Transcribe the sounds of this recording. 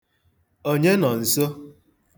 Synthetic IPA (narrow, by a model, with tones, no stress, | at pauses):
o˦ɲe˦nɔ˨n̩˨so˦